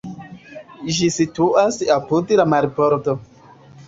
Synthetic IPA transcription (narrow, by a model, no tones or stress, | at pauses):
d͡ʒisituʔasapudlamaɾipoɾto